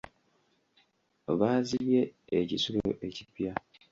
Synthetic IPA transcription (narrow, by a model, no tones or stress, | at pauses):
βaːzije̞ecisuloʔe̞cipja